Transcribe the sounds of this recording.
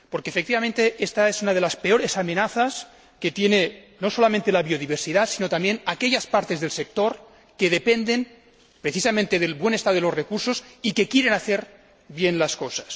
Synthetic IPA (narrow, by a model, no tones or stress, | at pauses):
po̞ɾkeːfekt̪iβamẽnt̪eʔest̪aesunað̞elaspeo̞ɾe̞same̞naθas | ket̪je̞ne | no̞solamẽnt̪e̞laβioðiβ̞eɾsiðasino̞t̪ambje̞nake̞ʎaspaɾt̪e̞zðe̞lsek̚t̪o̞ɾ | ke̞ðepe̞nd̪e̞n | pɾeθisamẽnt̪e̞ðelβwe̞ne̞st̪aðelo̞zrekuɾso̞sike̞kjeɾe̞naθe̞ɾ | βje̞nlasko̞sḁs